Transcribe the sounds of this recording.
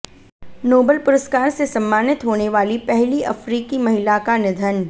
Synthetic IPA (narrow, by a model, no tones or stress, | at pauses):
noːbəlpʊɾəskaːɾsesɐ̃mːaːnɪt̪ɦoːneʋaːlipɛɦliʔɐfɾiːkimɐɦɪlakanɪd̪ʱən